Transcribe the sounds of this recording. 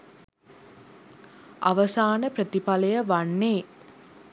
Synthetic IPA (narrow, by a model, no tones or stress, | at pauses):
a̰ʋəsaːnəprət̪ipaləjəʋanːeː